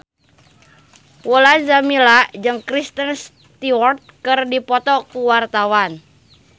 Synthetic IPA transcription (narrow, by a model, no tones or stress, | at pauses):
wəlanzamilaʔd͡ʒɨŋkɾist̪əns | t̪iwɔrt̪̚kɨrdipɔt̪ɔkuwart̪awan